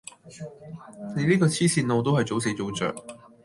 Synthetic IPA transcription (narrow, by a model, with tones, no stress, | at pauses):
ne˨˧jliː˥k̬ɔː˧t͡sʰiː˥siː˧nlo˨˧wt̪o˥whɐ˨jt͡so˨˥ws̬e˨˧˥t͡so˨˥wt͡sœ̰ː˨˩k̚